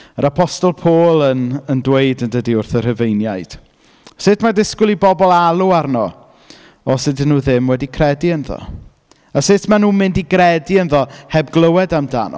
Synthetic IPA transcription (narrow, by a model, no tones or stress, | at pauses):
əɾapʰɔstɔlˠpʰoːlˠənəndwejdəndədiʊrθər̥əvejnjajd̥ | sɪtʰmadɪskʊlˠibɔbɔlˠalˠuarnɔ | ɔsɪdɪnːuːðɪmwɛdikʰrɛdiənðɔ̰ | asɪtʰmanuːmɪndiɡrɛdiənðɔhɛbɡlˠəwɛdamda̰nɔ̰